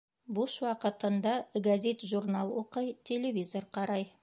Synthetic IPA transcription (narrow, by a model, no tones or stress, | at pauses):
buʃwɑqət̪ənd̪ɑɡazʲet̪ʒurnalˠwoqəjt̪ʲʰe̞lʲevʲizo̞rqʰɑɾɑj